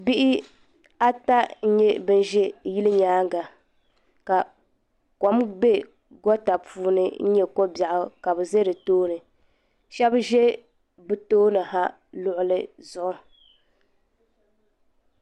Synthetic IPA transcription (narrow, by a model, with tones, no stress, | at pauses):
bi˦ʔɪ˦ | a˦ta˦n̩˦ɲɛ˦bɨ˦n˦ʒɛ˦ji˦lɨ˦ɲaː˦ŋɡa˨ | ka˨ | kɔ˨˦mbe˦ | ɡɔ˦ta˨pʰuː˦nɨ˦n̩˦ɲɛ˦ko˦ba˨ʔʊ˦ka˨bɨ˨ze˦ɾɨ˨toː˦nɨ˨ | ʃɛ˦bʒɛ˦ | bɨ˦toː˦nɨ˨ɦa˦ | lʊ˦ʔʊ˨lɨ˦zʊ˨ʔʊ˦